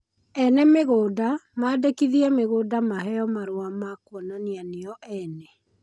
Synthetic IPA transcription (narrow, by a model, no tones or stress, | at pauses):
ɛnɛmeɣoːdamaːdekiðiameɣoːdamaɦɛɔmaɾoamakwɔnanianeɔʔɛnɛ